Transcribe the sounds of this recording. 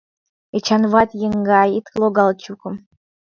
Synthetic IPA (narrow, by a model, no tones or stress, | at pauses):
et͡ɕɑnvɑt̪jəŋɡɑit̪lˠoɡɑlˠt͡ɕukɤ̆m